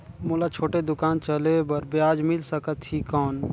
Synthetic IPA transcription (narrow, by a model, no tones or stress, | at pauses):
muːlat͡ʃʰoːʈed̪ʊkaːnt͡ʃəlebəɾbjaːd͡ʒmɪlsəkət̪t͡ʃikɔːn